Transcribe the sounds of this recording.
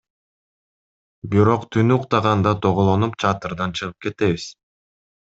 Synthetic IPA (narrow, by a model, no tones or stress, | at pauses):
biɾo̞qt̪ʰynyuqt̪ɑʁɑnd̪ɑt̪ʰoʁolˠo̞nupt͡ʃʰɑt̪ɨɾd̪ɑnt͡ʃʰɯʁɯp̚ke̞t̪e̞βiz̥